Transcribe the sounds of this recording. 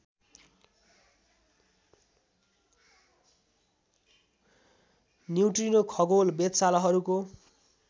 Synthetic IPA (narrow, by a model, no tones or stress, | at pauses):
niwʈrinokʰʌɡolbet̪salʌɦʌɾuko